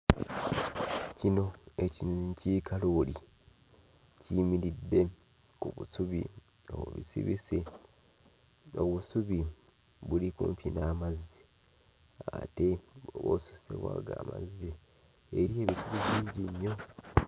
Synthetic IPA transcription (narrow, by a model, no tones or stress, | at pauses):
cino̞ecicikʰaloli | cimiɾidːe̞ | kuβṵsuβḭ | o̰oβḭsḭβise | o̞βusuβi | βulikṵːmpinaːmazi | aa̰te̞oβo̰ːsussḛβwa̰ːɡaːma̰zi | eɾie̞ːβisuβiβiːɲɟiɲːo̞